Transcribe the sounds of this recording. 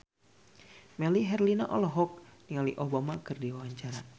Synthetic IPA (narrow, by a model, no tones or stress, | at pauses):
mɛliɦɛrlinaʔɔlɔɦɔk̚niŋaliʔobamakʰərdiwawaɲt͡ʃaɾa